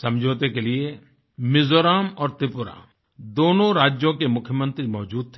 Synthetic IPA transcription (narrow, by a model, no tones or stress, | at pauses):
sɐ̃md͡ʒʱoːt̪ekelie | mɪzoːɾaːmɔːɾt̪ɪpʊɾa̰ | d̪oːnõɾaːd͡ʒjõkemʊkʰjəmə̃nt̪ɾimɔːd͡ʒuːd̪̚t̪ʰe